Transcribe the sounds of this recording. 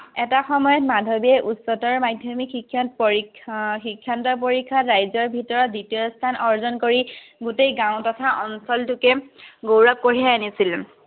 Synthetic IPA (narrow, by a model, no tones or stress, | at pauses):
ɛtaxɔmɔjɔtmadʱɔbiɛʔusɔtɔɹmajdʱjɔmikʰːikʰːa | xikʰːantɔp̬oɹikʰːatɹajzɔɹbʱitɔɹɔt̚ditijɔstʰanɔɹzɔnkoɹiɡutejɡãw̃tɔtʰaʔɔnsɔltukɛɡowɹap̚koɹiaanisil